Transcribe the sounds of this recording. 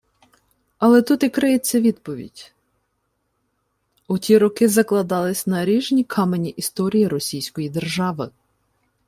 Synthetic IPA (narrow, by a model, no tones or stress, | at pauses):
ɐlˠɛt̪ut̪ikɾɪjet͡sʲːɐʋʲid̪pɔʋʲḭdʲ | ʊtʲiɾɔkɪzɐklˠɐd̪ɑlˠɪsʲnɐɾʲiʒnʲikʰɑmenʲiʔist̪ɔɾʲijiɾɔsʲijsʲkɔjid̪erʒɑʋɪ